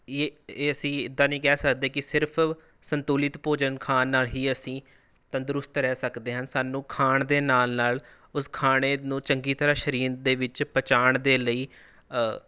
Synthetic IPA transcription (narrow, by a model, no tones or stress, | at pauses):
eːeːəsĩːɪd̪ːaːnĩːkɛːsəkd̪eːkɪsɪɾpʰ | sənt̪uːlɪt̪poːd͡ʒənkʰaːnːaːlɦiːəsĩː | t̪ənd̪ɾʊst̪ɾɛːsəkd̪eːɦənsaːnũːkʰaːɳd̪eːnaːlnaːl | ʊskʰaːɽ̃eːnũːt͡ʃəŋɡiːt̪əɾaːʃəɾiːnd̪eːʋɪt͡ʃpət͡ʃaːɳd̪eːləiː